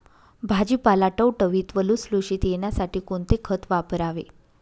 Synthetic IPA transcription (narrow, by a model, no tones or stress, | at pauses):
bʱad͡ʑiːpalaʈəwʈəʋiːt̪ʋəlusluɕiːt̪jeɳjasaʈiːkoɳt̪ekʰət̪ʰʋapəɾaʋḛ